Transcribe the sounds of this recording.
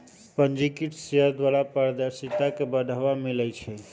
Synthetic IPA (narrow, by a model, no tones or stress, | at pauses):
pənd͡ʒikiʈsiəd̪ʋalapəɾd̪əɾsit̪akebəd̪ʱaʋamilɛt͡ʃʰɛ